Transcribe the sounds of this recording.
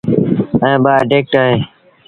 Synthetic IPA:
ɛ̃ːɓaːɖeːk̚ʈaːɦeː

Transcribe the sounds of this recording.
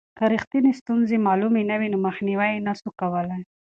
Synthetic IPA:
kaɾixt̪inest̪unzemɑlumenawinoməxniwajnasukawəlaj

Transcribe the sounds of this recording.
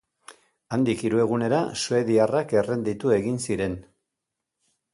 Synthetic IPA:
and̪ikiɾue̞ɣ̞une̞ɾa̰sue̞ðiarake̞re̞nd̪it̪ue̞ɣinsiɾe̞n

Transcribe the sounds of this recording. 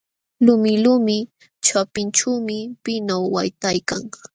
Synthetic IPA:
lʊmɪlʊːmɪ | t͡ʃapɪnt͡ʃawmɪpɪnawːajt̪ajkaŋ

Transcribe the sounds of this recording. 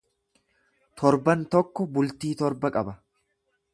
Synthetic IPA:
t̪ʰɔɾbɐnt̪ɔkːɔbʊlt̪iːt̪ɔɾbɐkʼɐbɐ

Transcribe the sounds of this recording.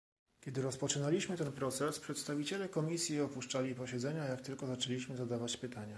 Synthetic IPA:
kʲɛd̪ɘɾɔspɔt͡ʂɘnalʲiɕmɘt̪ɛnpɾɔt̪sɛspʂɛt̪st̪avʲit͡ɕɛlɛkɔmʲisʲjiɔpuʂt͡ʂalʲipɔɕɛd̪zɛɲajakt̪ɘlkɔzat͡ʂɛlʲiɕmɘzad̪avat͡ɕpɘt̪aɲa

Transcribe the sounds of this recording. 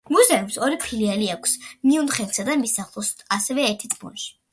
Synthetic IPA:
muzɛumsɔɾipʰilialiakʷʰsmiund̪χɛnk̪sad̪amisaχlˠɔsasɛvɛɛɾt̪ʰit̪ʼmɔ̰nʃi̥

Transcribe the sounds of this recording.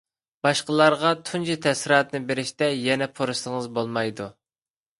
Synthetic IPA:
b̥ɑʃqəlˠɑɾʁɑt̪ʰunt͡ʃʰit̪ʰɛsɾɑːt̪nɨbeɾɪʃt̪ɛjɛnɛpʰoɾɨʃəŋəzbolˠmɑjd̪u

